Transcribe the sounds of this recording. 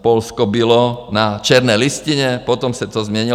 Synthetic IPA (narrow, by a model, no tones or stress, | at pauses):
pɔlskɔbilɔnat͡ʃɛɾnɛjlisciɲɛpɔt̪ɔmsat̪ɔzmɪɛɲi